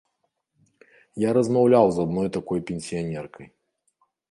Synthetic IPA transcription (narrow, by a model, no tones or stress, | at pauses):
jaɾɐzmawlʲawzad̪nɔjt̪akɔjpʲenʲsʲijanʲɛrkʰɐj